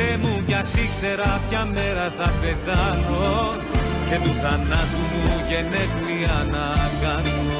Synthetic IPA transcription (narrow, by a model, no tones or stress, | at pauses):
emuʝɐsikse̞ɾɐpçɐme̞ɾɐθɐpe̞θɐno | ce̞t̪uθɐnɐt̪umuʝenetuiɐnɐkɐno